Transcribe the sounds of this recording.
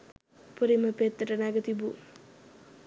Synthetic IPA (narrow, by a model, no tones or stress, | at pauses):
puɾimɐpet̪ːɐʈɐnaɡɐt̪ibu